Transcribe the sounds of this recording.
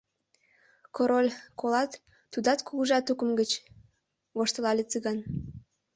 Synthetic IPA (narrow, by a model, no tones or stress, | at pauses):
koɾolʲkolɑt̪ː | ud̪ɑt̪kuɣuʒɑt̪ukəmɡət͡ɕ | βoʃt̪əlɑlʲet͡sɨɣɑn